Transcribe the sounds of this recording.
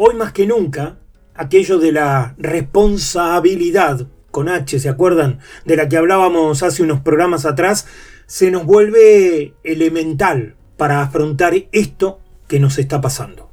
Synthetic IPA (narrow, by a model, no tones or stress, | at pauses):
o̞jmaske̞nũŋkaː | ke̞ʒo̞ðelarespo̞nsaβiliðað | ko̞nat͡ʃes̬eakweɾð̞and̪elak̬eaβlaβamo̞s̬aseuno̞spɾoɣɾamas̬at̪ɾasːe̞no̞zβwe̞lβeːlemẽ̞nt̪al | paɾaːfɾo̞nt̪aɾest̪o̞ | keno̞s̬e̞st̪apasa̰nd̪o